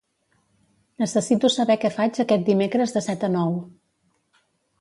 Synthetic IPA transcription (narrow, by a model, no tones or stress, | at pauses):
nəsəsit̪usəβɛkɛfad͡ʒəkɛt̪̚d̪imekɾəzðəsɛt̪ənɔw